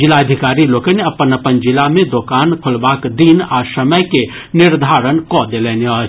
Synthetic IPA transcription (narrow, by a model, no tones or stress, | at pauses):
d͡ʒɪlaəd̪ʱɪkaːɾiloːkəneɐpənɐpənd͡ʒɪlamẽd̪oːkaːnkʰʊlbaːkd̪iːnaːsəməjke | nɪɾd̪ʱaːɾənkɔːd̪eleːneɔː